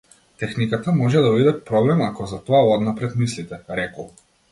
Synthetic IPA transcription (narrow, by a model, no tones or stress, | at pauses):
t̪ɛxnikat̪amɔʒɛd̪avid̪ɛpɾɔblɛmakɔzat̪ɔaɔd̪napɾɛt̪mislit̪ɛɾɛkɔ